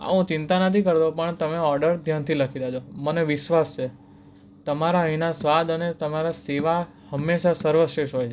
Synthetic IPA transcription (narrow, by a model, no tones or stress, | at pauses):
a̰ʋũt͡ʃɪnt̪anət̪ʰikəɾt̪opəɳt̪əmeɔɾɖəɾd̪ʱjant̪ʰiləkʰid̪at͡ʃʰoməneʋɪʃʋast͡ʃʰe | t̪əmaɾaɦəinasʋad̪ənet̪əmaɾaseʋa | həmːeʃasəɾʋəʃeʃɦojt͡ʃʰe